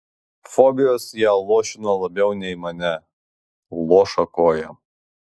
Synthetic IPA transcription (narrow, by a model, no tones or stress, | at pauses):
fɔbʲɪjoːsjæːlˠoːʃʲɪnolˠɐbʲɛʊnʲɛɪmɐnʲɛ | lˠoːʃɐkoːjɛ